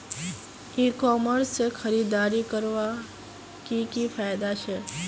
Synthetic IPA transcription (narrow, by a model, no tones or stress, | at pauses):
ikɔməɾsːexʰəɾiːd̪aːɾikəɾʋa | kikifʰaːjd̪at͡ʃʰe